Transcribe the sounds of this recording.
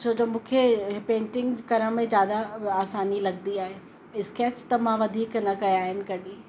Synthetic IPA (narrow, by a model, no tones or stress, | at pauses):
sod͡ʑomũːkʰepẽːɳʈɪ̃ŋɡkɐɾəɽ̃mẽzjaːd̪aaːsaːnilɐɡnd̪iaːɦe | ɪskeːst̪ɐmãʋɐd̪ʱiːknɐkɐjaːɦɪnɪ̆kɐɗiː